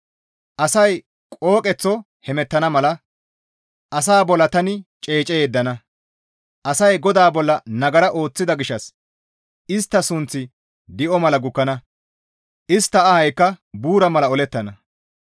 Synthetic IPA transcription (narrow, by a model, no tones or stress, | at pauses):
ʔɐsɐj | kʼo̞ːkʼɛt͡sːɔ | hɛmɛt̪ːɐnɐmɐlɐ | ʔɐs̬aːbɔlːɐt̪ɐnɪt͡ʃʼe̞ːt͡ʃʼɛjeːd̪ːɐnɐ | ʔɐsɐjɡɔd̪aːbɔlːɐnɐɡɐɾɐʔo̞ːt͡sːɪd̪ɐɡɪʃːɐs | ɪst̪ːɐsʊnt͡sːɪ | d̪ɪʔɔmɐlɐɡʊkːɐnɐ | ʔɪst̪ːɐɐhɐjkːɐbuːɾɐmɐlɐɔlɛt̪ːɐnɐ